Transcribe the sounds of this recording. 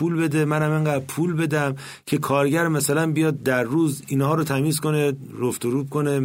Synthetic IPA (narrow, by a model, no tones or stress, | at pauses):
puːlbe̞d̪e̞mænhæmeŋɡæːpʰuːlbe̞d̪æm | cʰe̞kʰɒːɾɟæɾmæsælænbijɒːd̪̚ːæɾːuːzinhɒːɾot̪ʰæmiːzko̞ne | ɡoft̪oɾuːkʰone